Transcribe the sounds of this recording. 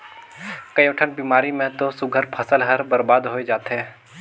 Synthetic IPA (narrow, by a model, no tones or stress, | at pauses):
kɐjoːʈʰənbiːmaːɾimẽt̪osʊɡʱəɾpʰəsəlɦəɾbəɾbaːd̪ɦoːed͡ʒaːt̪ɦɛː